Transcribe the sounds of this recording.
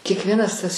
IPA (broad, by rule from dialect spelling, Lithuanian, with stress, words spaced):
kʲiɛkˈʋʲiɛnɐs tɐs